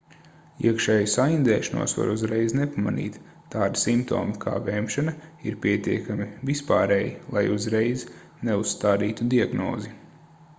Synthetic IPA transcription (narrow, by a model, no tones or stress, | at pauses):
iɛkʃɛːjusajind̪ɛːʃanṵɔsʋa̰ɾuzɾɛjznepama̰nḭːt̪ː | aːd̪isimpt̪o̰ːmikʰa̰ːvɛːmʃanɐiɾpʲiɛt̪iɛkamivispaːɾeːjilˠajuzɾɛjz | neusːt̪aːd̪iːt̪ud̪iaɡno̰ːzi